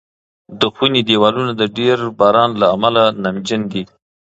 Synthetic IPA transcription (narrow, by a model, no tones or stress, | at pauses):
d̪əxwinid̪ewɑlunad̪əɖeɾbɑɾɑnlaːmalanamd͡ʒɪnd̪i